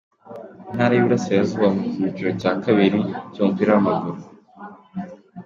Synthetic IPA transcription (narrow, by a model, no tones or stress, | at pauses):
in̥haɾajiuɾasejazuβamukuβit͡ʃoɾoaːkaβiɾicompiɾaamaɡuɾo